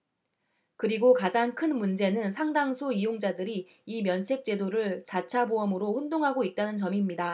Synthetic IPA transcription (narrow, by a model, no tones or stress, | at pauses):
kɯɾiɡokad͡ʑaŋkʰɯnmund͡ʑe̞nɯnsʰaŋdaŋsʰoijoŋd͡ʑadɯɾi | imjʌnt͡ɕʰe̞k̚t͡ɕ͈e̞doɾɯɭt͡ɕat͡ɕʰaboʌmɯɾoɸundoŋɦaɡoit̚t͈anɯnt͡ɕʌmimɲida